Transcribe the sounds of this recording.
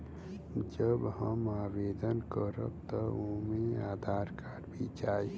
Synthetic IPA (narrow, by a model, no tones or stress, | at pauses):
d͡ʒəbɦəmaːbed̪ənkəɾə̰b̚t̪əomeaːd̪ʱaːɾkaɖbʱit͡ʃaːi